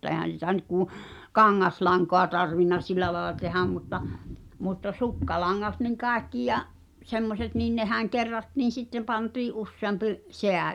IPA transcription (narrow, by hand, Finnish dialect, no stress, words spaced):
e̞hæn̞ sitæ nyt kuˑ kɑŋːɑslɑŋkoɑ tɑrʋinːɑ silˑæ lɑelɑ tehæm mutːɑ mutːɑ sukːɑlɑŋːɑt niŋ kɑˑekːi jɑʔ semːoset niːn nehæŋ kerːɑtːiːn̞ sitːem pɑntiːʔ ʔusːeɑmpiʔ seæ